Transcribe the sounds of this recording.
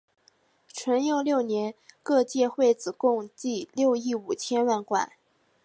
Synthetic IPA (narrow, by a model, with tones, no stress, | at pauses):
ʈ͡ʂʰwə˧˥njo˥˧ʊljo˥˩ʊnjɛ˧˥nkɤ˥˧t͡ɕjɛ˥˧xwe˥˩ɪt͡sɹ̩˨˩kʊ˥˧ŋt͡ɕi˥˧ljo˥˧ʊi˥˩u˨˩t͡ɕʰjɛ˥nwa˥˩nkwa̰˥˩˦